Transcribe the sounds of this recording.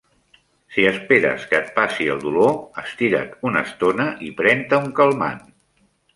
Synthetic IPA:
siəspeɾə̰skət̪̚pasiəlˠd̪uloəst̪iɾə̰t̪unə̰st̪onəʔipɾɛnt̪əuŋkəlˠma̰n

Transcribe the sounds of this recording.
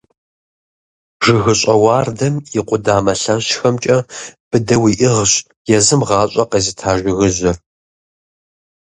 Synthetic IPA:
ʒɨɣɨɕʼɐwɑːrdɐmiqʷʼʊdaːmɐɬɐɕxɐmt͡ʃʼɐb̥ɨdɐwiʔɪʁɕ | jɛzɨmʁɑːɕʼɐqezɨtʰaːʒʷɪɣɨzɐr

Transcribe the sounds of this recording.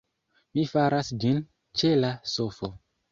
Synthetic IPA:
mifaɾasd͡ʒin | t͡ʃelasofo

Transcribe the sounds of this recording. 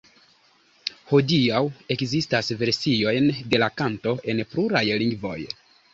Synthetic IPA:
ho̞diawe̞kzistasve̞ɾsio̞jnde̞lakanto̞ʔe̞npluɾajliŋɡvo̞j

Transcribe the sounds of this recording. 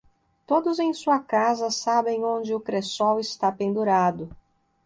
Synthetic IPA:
t̪od̪ʊzẽj̃suɐkazɐsabẽj̃õnd͡ʒɪʊkɾesɔwɪst̪apẽnd̪uɾad̪ʊ

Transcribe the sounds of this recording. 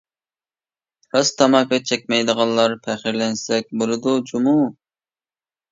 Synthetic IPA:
hɑst̪ʰɑmɑkɑt͡ʃʰɛkʲmɛjd̪əʁɑnlːˠɑɾpʰæχiɾlɛnsɛk̚ʲbolˠɨd̪ud͡ʒumu

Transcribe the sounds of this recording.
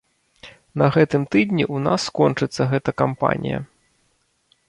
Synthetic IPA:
nɐɣɛt̪ɨmt̪ɨd̪ʲnʲiʔuna̰sːkɔnt͡ʂɨt̪sːɐɣɛt̪ɐkampa̰nʲḭjɐ̰

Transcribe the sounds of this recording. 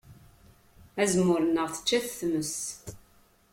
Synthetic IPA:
æzmːʊɾənːəʁθə̥t͡ʃːæθθməs

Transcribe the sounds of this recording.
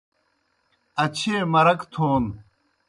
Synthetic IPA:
ɐt͡ɕʰeːmɐɾɐkt̪ʰoːn

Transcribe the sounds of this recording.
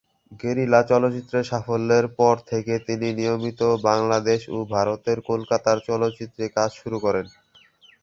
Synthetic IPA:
ɡeɾilat͡ɕɔlotːt͡ɕit̪ːɾeʃafolːeɾpɔɾt̪ʰeket̪ininijomit̪obaŋlad̪eʃo̰bʱaɾot̪eɾkolkat̪aɾt͡ɕɔlot̪ːt͡ɕit̪ːɾekad͡ʑʃuɾukɔɾen

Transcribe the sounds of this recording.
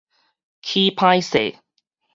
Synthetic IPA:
kʰipʰaɪsḛ

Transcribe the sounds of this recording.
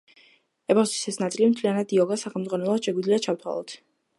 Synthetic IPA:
ɛbɔst̪i̥sɛsnat̪sʼilimt̪ʰlianad̪iɔɡasaχɛlmdzʁwanɛlˠad̪̥ʃɛɡwid̪liat͡ʃʰaft̪ʰwa̰lˠɔ̰t̪ʰ

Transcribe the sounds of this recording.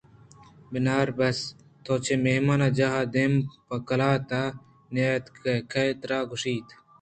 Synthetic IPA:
bɪnaːɾbɐs | t̪ʰoːt͡ɕʰemeɦmaːnad͡ʑaɦaːd̪empɐkɐlaːt̪aː | njaːjɐt̪kekʰɐet̪ɾaːɡʊʂiːt̪ʰ

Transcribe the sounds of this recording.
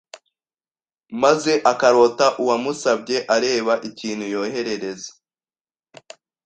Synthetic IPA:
maze̞ʔakaɾo̞ːtaʔuwamusabɟe̞ʔaɾe̞ːβaʔiciːn̥hujo̞ːhe̞ɾe̞ɾe̞zḁ

